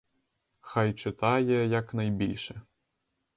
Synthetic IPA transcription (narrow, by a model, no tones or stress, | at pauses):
xajt͡ʂɪt̪ajɛjɐknajbʲilʲʂɛ